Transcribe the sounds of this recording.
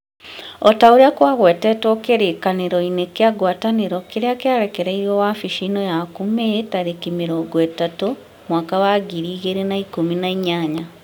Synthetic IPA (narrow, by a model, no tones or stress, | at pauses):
ɔtaoɾeakwaɣwɛːtɛtwɔkeɾekaneɾɔinekeaɡwataneɾɔkeɾeakeaɾɛkɛɾɛiɾɔwafiʃinɔjakumetaɾekimeɾɔːɡwetato | mwaːkawaɡiɾiːɣeɾenaikominaiɲaɲa